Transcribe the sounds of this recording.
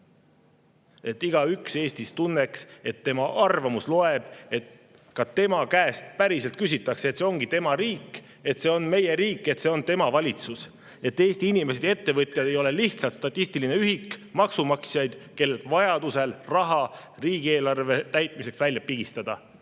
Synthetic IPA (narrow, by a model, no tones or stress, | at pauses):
e̞t̪ːˑiɡ̥ɑykse̞ːst̪ist̪unːe̞kse̞t̪ːe̞mɑʔɑrvɑmuslo̞e̞b̥e̞t̪ | kɑt̪e̞mɑkæːst̪̚pæɾise̞lt̪̚kys̬it̪ːˑɑkseeːt̪seo̞ŋɡ̥it̪e̞mɑɾiːkˑː | e̞t̪se̞o̞nme̞je̞ɾiːkːˑe̞t̪se̞o̞nt̪e̞mɑvɑlʲit̪sus | e̞t̪ːe̞ːst̪iinime̞sed̪̥e̞t̪ːe̞vɤt̪ʲˑjɑd̪̥ejo̞le̞liht̪sɑlt̪st̪ɑt̪ʲːˑist̪iline̞yɦikmɑksumɑksjɑjd̪̥ke̞lːelt̪vɑjɑd̪̥use̞lrɑɦɑ | riːɡ̥ie̞ːlɑrve̞t̪æjt̪̚ˑmise̞ksvælʲjɑpiɡ̥ist̪ɑd̪̥ɑ